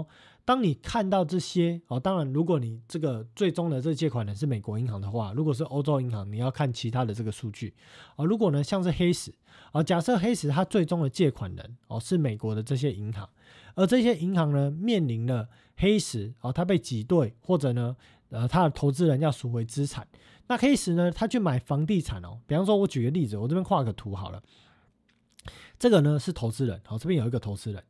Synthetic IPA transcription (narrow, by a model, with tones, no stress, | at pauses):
t̪ɑ˥ŋni˨˩kʰa˥˧nt̪ɑ˥˧ʊʈ͡ʂɤ˥˩ɕjɛ˥ɔ˨˩t̪ɑ˥ŋɻa˧˦nɻu˧˥kwɔ˨˩˦ni˨˩ʈ͡ʂɤ˥˩ɡə˨t͡swe˥˩ɪʈ͡ʂo˥ŋd̪ə˨ʈ͡ʂə˥˩ɡə˨t͡ɕjɛ˥˩kʰwa˨˩nɻə˧˦nʂ̬̩˥˩me˨˩kwɔ˧˥i˧˥ŋɦɑ˧˥ŋd̪ə˨xwa̰˥˩ɻu˨˧˥kwɔ˨˩ʂ̬ɻ̩˥˩ʔo˥ʊʈ͡ʂo˥ʊi˧˥ŋhɑ˧˥ŋni˨˩jɑ˥˧ʊkʰa˥˩nt͡ɕʰi˧˥t̪ʰa˥d̪ə˨ʈ͡ʂɤ˥˩ɡə˩ʂu˥˧t͡ɕy˥˩ | ə˧˩ɻu˨˥k̬wɔ˨˩nə˨˦ɕjɑ˥˧ŋʂɻ̩˥˩xe˥ɪʂɻ̩˧˥˦ | ə˥˩t͡ɕja˨˩ʂɤ˥˨xe˥ɪʂɻ̩˧˥t̪ʰa˥t͡swe˥˩ɪʈ͡ʂo˥ŋd̪ə˨t͡ɕjɛ˥˩kʰwa˨˩nɻə̰˧˦nɔ̰˨ʂɻ̩˥˩me˨˩ɪkwɔ˨˧˥d̪ə˨ʈ͡ʂɤ˥˩ɕ̬jɛ˦˥ʔi˧˦ŋxɑ̰˧˦ŋ | ə˨˧˥ʈ͡ʂɤ˥˧ɕ̬jɛ˥ʔi˧˥ŋxɑ˧˦ŋnə˧mjɛ˥˨˩nli˧˥nlə˧ | xe˥ɪʂɻ̩˧˥ɔ˨˩t̪ʰa˥p̬e˥˩ɪt͡ɕi˨˥t̪we˥˩ɪxwɔ˥˩ʈ͡ʂɤ˨˩nə˦ | ə˧t̪ʰa˦də˨t̪ʰo˧˥ʊt͡sɹ̩˥ɻə˧˦njɑ˥˨ʊsu˨˩xwe˧˥ɪt͡sɹ̩˦˥t͡sʰa˨˩˦n | na˥˨xe˥ɪʂɻ̩˧˦nə˧t̪ʰa˥t͡ɕʰjo˥˩ma˨˩ɪfɑ˧˥ŋt̪̬i˥˨t͡sʰa˨˩nɔ̰˨˩pi˨˩fɑ˥ŋʂwɔ˥wɔ˧˦t͡ɕy˨˩ɡə˦li˥˩d͡zɹ̩˨˩wɔ˨˩t͡sə˥pjɛ˥kwa˥˩kʰə˨˩t̪ʰu˨˧˦xɑ˨˩ʊlə̰˦ | ʈ͡ʂɤ˥˩ɡə˨˩nə˨ʂɻ̩˥˩t̪ʰo˧˥ʊt͡sɹ̩˥ɻə̰˧˦nɔ˨t͡sɤ˥˩pjɛ˥njo˨˩i˧ɡə˩t̪ʰo˧˥ʊt͡sɹ̩˥ɻə̰˧˦n